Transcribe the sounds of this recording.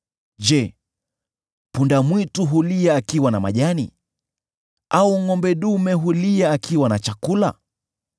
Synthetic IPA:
d͡ʒɛ | pundamwituɦuliaːkiwanama̰ʄanḭ | auŋɔmbɛɗumɛɦuliaːkiwanat͡ʃakula̰

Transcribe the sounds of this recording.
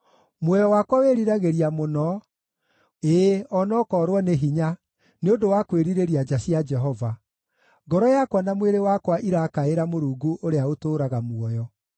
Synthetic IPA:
mwɔjɔwakwaweɾiɾaɣeɾiamonɔ | eːɔnɔkɔɾwɔneɦiɲa | neodowakweɾiɾeɾiad͡ʒasiad͡ʒɛɦɔva | ŋɡɔɾɔjakwanamweɾewakwaʔiɾakaeɾamoɾuːɡuʔoɾeaotoːɾaɣamwɔjɔ

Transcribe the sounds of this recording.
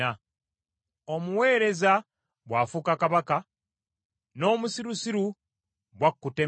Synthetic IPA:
a | o̞muwe̞ːɾe̞za | bwaːfukakaβaka | no̞ːmusiɾusiɾu | βwakːute

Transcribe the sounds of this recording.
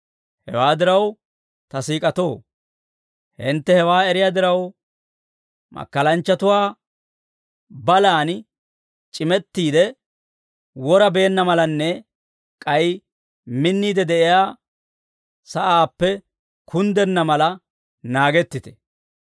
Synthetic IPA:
hɛ̰waːd̪ɪɾɐw | t̪ɐsiːkʼɐt̪o̞ː | hɪnt̪ːɛhɛwaːɛɾɪjaːd̪ɪɾɐw | mɐ̰kːɐlɐnt͡ʃːɐt̪ʊwaː | bɐlaːn | t͡ʃʼɪmɛt̪ːiːd̪ɛ | wɔɾɐbe̞ːnːɐmɐlɐnːɛ | kʼɐj | mɪnːiːd̪ɛd̪ɛʔɪjaː | sɐʔaːpːɛ | kʰʊnd̪ɛnːɐmɐlɐ | naːɡɛt̪ːɪt̪ɛ̥

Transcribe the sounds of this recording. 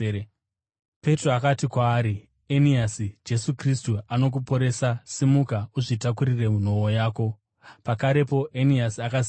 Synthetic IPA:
pe̞troakatikwaːɾi | eniasid͡ʒe̞sukristuano̞k̬upo̞ɾe̞sasimukauʐitakuɾire̞mun̤o̞ojaːko̞ | pakaɾe̞p̬o̞ʔeniasiaka

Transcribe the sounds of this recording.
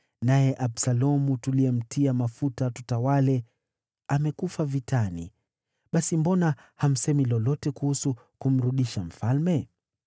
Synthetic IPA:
najɛʔaɓsalɔmutuliɛm̩tʰiamafutatutawalɛ | amɛkufavitanḭ | ɓasimbɔna | ham̩sɛmilɔlɔtɛkuhusu | kum̩ɾuɗiʃam̩falmɛ

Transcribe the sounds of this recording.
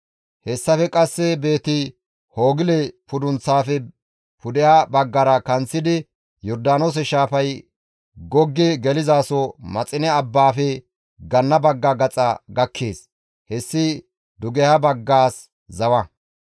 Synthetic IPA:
hɛsːɐfɛkʼɐsːɛbe̞ːt̪ɪ | hoːɡɪlɛpʊd̪ʊnt͡sːaːfɛ | pʊd̪ɛhabɐɡːɐɾɐkɐnt͡sːɪd̪ɪ | jɔɾd̪aːnoːs̬ɛʃaːfɐj | ɡɔɡːɪɡɛlɪzaːsɔmɐt͡sʼɪnɛɐbːaːfɛ | ɡɐnːɐbɐɡːɐɡɐt͡sʼɐ̰ɡɐkʰːeːs | hɛsːɪ | d̪ʊɡɛhabɐɡːaːs | zɐwɐ

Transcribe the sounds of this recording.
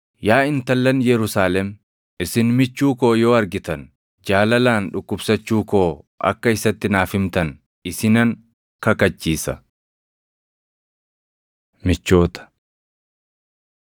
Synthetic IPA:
jaːɪnt̪ɐlːɐnjɛɾʊsaːlɛm | ɪsɪnmɪt͡ʃːuːkoːjo̞ːɐɾɡɪt̪ɐn | d͡ʒaːlɐlaːnᶑʊkːʊbsɐt͡ʃːuːkoːʔɐ̰kːɐɪsɐt̪ːɪnaːfɪmt̪ɐn | ɪsɪnɐŋ | kɐkɐt͡ʃːiːsɐ | mɪt͡ʃːo̞ːt̪ɐ̥

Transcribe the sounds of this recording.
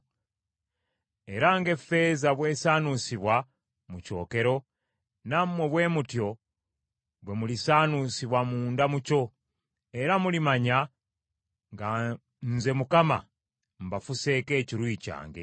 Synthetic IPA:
eɾaŋɡe̞fe̞zaβwe̞ːsaːnusiβwa | muco̰ːke̞ɾo̞ | namweβwe̞ːmutjo̞ | βwe̞mulisaːnusiβwamuːndamuco̞ | e̞ɾamulimaɲa | ŋɡa | nze̞mukama̰ | mbafuse̞ke̞ːciɾwiːca̰ːŋɡe̞̰

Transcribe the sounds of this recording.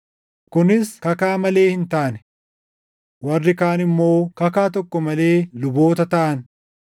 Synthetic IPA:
kʊnɪskɐkaːmɐle̞ːhɪnt̪aːnɛ̥ | wɐrːɪkaːnɪmːo̞ːkɐkaːt̪̬ɔkːɔmɐle̞ːlʊbo̞ːt̪ɐt̪ɐʔɐn

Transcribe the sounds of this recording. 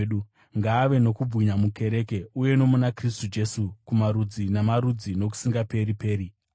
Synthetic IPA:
ɗu | ŋɡaːʋe̞no̞kub͡vwiɲamuke̞ɾe̞ke̞uje̞no̞munakris̬tud͡ʒe̞sukumaɾud͡zinamaɾud͡zino̞k̬u̥siŋɡape̞ɾipe̞ːɾi

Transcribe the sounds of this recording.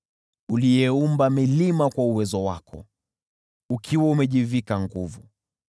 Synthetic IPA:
ulijɛumbamilimakwauwɛzɔwa̰kʰɔ̰ | ukʰiwaumɛʄivikaŋɡuvu

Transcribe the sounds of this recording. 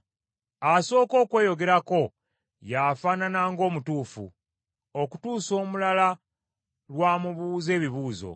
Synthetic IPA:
aso̞ːko̞ːkweːjo̞ɡe̞ɾako̞ | jafaːnanaːŋɡo̞ːmutuːfṵ | oku̥tuːso̞ːmulala | lwaːmuβuːze̞ːβiβuːzo̞̰

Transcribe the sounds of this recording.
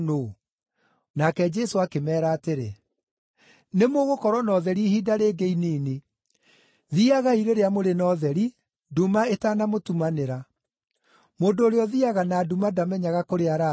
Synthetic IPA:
noː | nakɛd͡ʒɛsoakemɛːɾaːteɾḛ | nemoɣokɔɾwɔnɔðɛɾihiːdaɾeːɡeiniːne | ðiaɣaiɾeɾeamoɾenɔðɛɾi | dumaetaːnamotumaneɾa | moːndoːɾeɔðiaɣanaːdumadamɛɲaɣakoɾeaɾa

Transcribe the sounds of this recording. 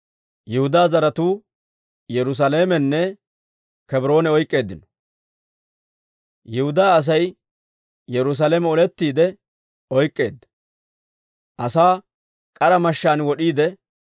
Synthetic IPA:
jɛhʊd̪aːzɐɾɐt̪uː | jɛɾʊs̬ɐle̞ːmɛnːɛ | kɛbɾo̞ːnɛɔjkʼːe̞ːd̪ːɪnɔ̥ | jɛhʊd̪aːɐs̬ɐj | jɛɾʊs̬ɐleːmɛɔlɛt̪ːiːd̪ɛ | ɔjkʼːe̞̰ːd̪ːɐ | ʔɐsaː | kʼɐɾɐmɐʃːaːnwɔɗiːd̪ɛ

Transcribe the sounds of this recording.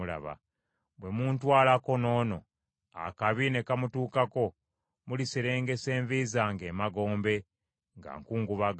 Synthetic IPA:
ula̰βa̰ | βwe̞muntwaːlako̞no̞ːno̞ | a̰kaβine̞kamutuːkako̞ | muliseɾe̞ːŋɡe̞se̞ːɱvizaŋɡe̞ːmaɡo̞ːmbe̞ | ŋɡa̰ŋkuːŋɡuβaɡ

